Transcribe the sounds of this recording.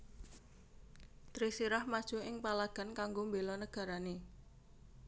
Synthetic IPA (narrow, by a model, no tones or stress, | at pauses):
t̪ɾisiɾahmad̥ʒ̥o̤ɪŋpalaɡ̥a̤nkaŋɡombelɔnəɡ̥a̤ɾane